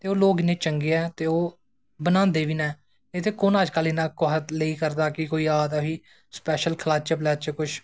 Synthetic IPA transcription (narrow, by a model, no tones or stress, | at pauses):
t̪eːoːloːɡnẽːt͡ʃəŋɡeːɛːt̪eːoː | bənãːnd̪eːʋiːnɛː | et̪ʰeːkoːnəd͡ʒkəliːnãːkoːɦət̪leiːkəɾd̪aːkɪkoːiːaːd̪aʋiː | spɛːʃəlkʰəlaːt͡ʃəplɛːt͡ʃəkʊt͡ʃʰ